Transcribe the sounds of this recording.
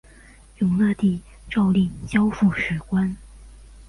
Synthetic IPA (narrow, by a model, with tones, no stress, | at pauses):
jʊ˧˥ŋna˥˧t̪i˥˩ | ʈ͡ʂɑ˥˧ʊli˥˩ŋt͡ɕjɑ˥ʊfu˥˩ʂɻ̩˨˥˩kwa˥n